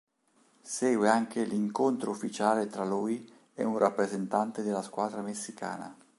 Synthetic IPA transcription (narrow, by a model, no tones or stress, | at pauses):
sɛːɡweaŋkeliŋkont̪ɾoufːit͡ʃaːlet̪ɾaluːj | ɛ̰unrapːɾezent̪ant̪ed̪elːaskwaːd̪ɾamesːikʰa̰ːna̰